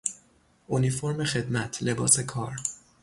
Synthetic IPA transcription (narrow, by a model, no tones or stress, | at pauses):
ʔonifo̞ɾme̞xe̞d̪mæt̪ʰle̞bɒːse̞kʰɒːɾ